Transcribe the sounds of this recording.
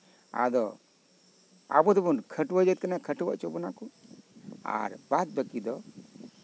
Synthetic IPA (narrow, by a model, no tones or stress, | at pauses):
a̰d̪ɔ | a̰bɔd̪ɔbɔnkʰəʈwad͡ʒət̪̚kanakʰəʈba̰ʔt͡ʃɔbɔnakɔ | a̰ɾbat̪̚bəkid̪ɔ